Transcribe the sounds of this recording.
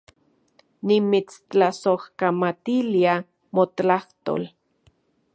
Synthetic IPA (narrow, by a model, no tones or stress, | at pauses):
nimit͡st͡ɬasohkamat̪ilia | mot̪laht̪o̰l